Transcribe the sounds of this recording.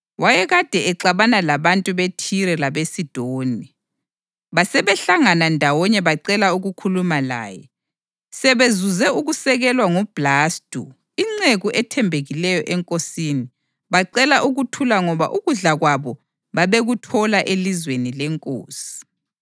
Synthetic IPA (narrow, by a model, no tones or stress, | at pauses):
wajɛɣad̥ʱɛɛǀaβanalaβantʼuβetʰiɾɛlaβesid̥ʱoːni | βasɛβɛɬaŋanandʱawɔɲɛβaǀɛlauɣukʰulumala̰ːjɛ̰ | sɛβezuzɛuɣusɛɣɛlwaŋub̥laːstʼu | iŋ͡ǀeɣuʔɛtʰɛmbʱeɣilɛjɔʔɛŋkʼosiːni | βaǀɛlaʔuɣutʰulaŋɔβa̰ʔuɣuɮaɣwaβɔ | βaβeɣutʰɔlaʔelizwenilɛŋkʼo̰ːsi̥